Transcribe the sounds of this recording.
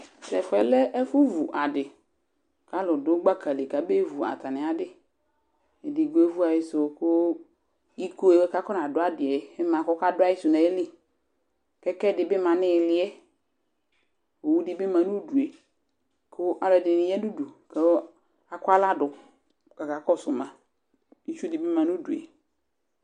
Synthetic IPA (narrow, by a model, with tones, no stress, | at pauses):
sɛ˨fɛ˨lɛ˦ʔɛ˦fʊ˦vu˨ʔa˨dɪ˨ | ka˨˦lʊ˨dʊ˨˦ɡ͡ba˦ka˨le˨ka˨be˦vu˨a̰˨t̪a˨nɪ̃˨a˨dɪ˦ | e˨dɪ˨ɡo˨˦e˦vu˦a˨jɪ˦sʊ˨kʊ˦ | i˦ko˦e˨wɛ˦ka˦kɔ˦nã˨dʊ˨˦a˦dɪ˨ɛ˨ɛ˦mã˨kɔ˦ka˦dʊ˦a˦jɪ˦sʊ˨nã˨e˦lɪ˦ | kɛ˦kɛ˦dɪ˨bɪ˦mã˨nɪ˦˨lɪ˨ɛ˦ | o˨wu˦dɪ˨˦bɪ˦mã˨nũ˦du˨e˨ | kʰʊ˦ʔa˦dɛ˨dɪ˨nɪ˨jɛ˦du˦du˨ke˨˦ | a˨kʊ˦a˦la˦dʊ˨ | ka˨ka˨kɔ˦˨sʊ˨mã˨ | i˦t͡ʃdɪ˨bɪ˦mã˨nu˦du˨ḛ˨